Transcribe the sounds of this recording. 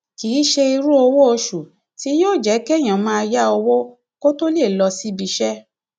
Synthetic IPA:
ki˨˦ʃe˧i˧ɾu˦o˧wo˦o˧ʃu˨ | ti˦joː˦˨d͡ʒɛ˨˦kɛ˦˨j̃ã˨˦mã˦˧ja˦o˧wo˦ | ko˦to˦le˦˨lɔ˧si˦bi˧ʃɛ˦

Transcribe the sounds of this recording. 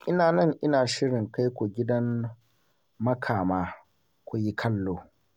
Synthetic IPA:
ʔɪ˦naː˨nɐ˦˨ŋʔɪ˦naː˨ʃɪ˦ɽɪ˨ŋka˦jkʷo˨ɡʲɪ˦dɐ˦m | mɐ˦kʰaː˨maː˦ | kʷo˨ji˦kʰɐ˦lːoː˦

